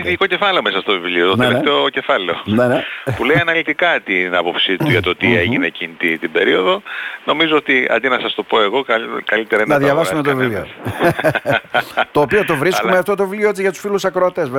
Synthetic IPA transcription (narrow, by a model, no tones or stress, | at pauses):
iikoce̞fɐleomesɐst̪ovivliot̪onet̪oce̞fɐle̞onenepule̞iɐnɐlit̪ikɐt̪inɐpopsit̪uʝɐt̪ot̪ieʝinecinit̪it̪ibe̞̰ɾio̞ðo̞no̞mizoot̪iɐ̰d̪inɐsɐst̪o̞po̞e̞ɣo̞kɐkɐlit̪eɾɐnɐðʝɐvɐsumet̪ovilio̰ | t̪o̞ːpio̞t̪o̞vɾisumeɐft̪o̞t̪̬o̞vilioet͡siʝɐt̪u̥sfilusɐkɾoot̪ezve